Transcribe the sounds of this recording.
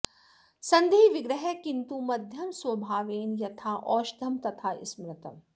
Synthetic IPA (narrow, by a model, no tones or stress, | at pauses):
sɐnd̪ʱiːʋɪɡɾɐɦɛkint̪umɐd̪ʱjɐmsʋɐbʱaːʋeːnjɐt̪ʰaːʔɔːʃd̪ʱɐmt̪ɐt̪ʰaːɪ̰smɾɐt̪ɐm